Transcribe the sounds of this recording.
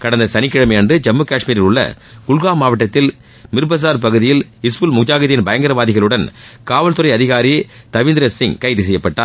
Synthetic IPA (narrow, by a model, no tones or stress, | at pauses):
kɐɽɐnd̪ɐsɐnɪkːɪɻɐmɛndrɯd͡ʒɐmːɯkaːʂmiːɾɪlʊɭːɐ̰ | ɡ̥ʊɭɣaːmːaːʋɐʈːɐt̪ːɪl | mɪɾɯbɐs̬aːɾpɐɣɯðɪjɪlɪspɯlmʊd͡ʒaːɣɐðɪjɪnbɐjɐŋɡɐɾɐʋaːðɪɣɐɭɯɽɐnkaːʋɐlt̪ɯɾɐɪɐðɪɣaːɾit̪ɐʋɪnd̪ɪɾɐsɪŋkɐɪðɯs̬ɛjːɐpːɐʈːaː